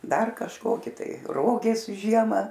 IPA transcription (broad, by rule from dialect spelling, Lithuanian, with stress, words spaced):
ˈdɐr kɐʃˈkoːkʲɪ ˈtɐɪ ˈroːɡʲeːs ˈʒʲiɛmɐ